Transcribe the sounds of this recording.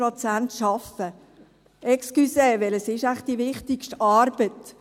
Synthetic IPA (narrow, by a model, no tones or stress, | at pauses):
ɾɔt͡sæntʃɑfə | ɛkskyseːʋɛləsɪʃæχ̚d̥iʋɪχtɪkʃtɑːɾb̥ət